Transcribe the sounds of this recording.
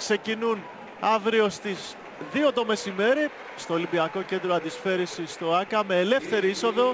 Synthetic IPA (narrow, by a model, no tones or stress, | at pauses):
kse̞cinun | ɐvɾio̞st̪iz | ðio̞t̪o̞me̞sime̞ɾi | st̪o̞ːlimbiɐko̞ce̞nd̪ɾoɐnd̪isfe̞ɾisist̪oɐkɐme̞ːle̞fθe̞ɾiiso̞ðo̞